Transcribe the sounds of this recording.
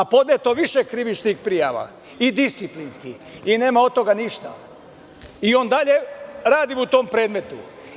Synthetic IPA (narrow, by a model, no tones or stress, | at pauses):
apo̞d̪net̪o̞ʋiʃekɾiʋit͡ʃnixpɾijaʋa̰ | id̪ist̪siplinskixine̞ːmao̞t̪o̞ɡaniʃt̪a | io̞ːnd̪aʎe̞ɾaːd̪imut̪o̞ːmpɾe̞ːd̪me̞t̪u